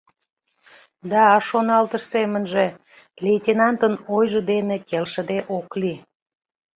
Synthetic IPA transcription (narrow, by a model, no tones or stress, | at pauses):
d̪ɑːʃonɑlt̪əʃsemə̆nʒe | lʲejt̪ʲenɑnt̪ənojʒə̆d̪enekelʃə̆d̪eʔokli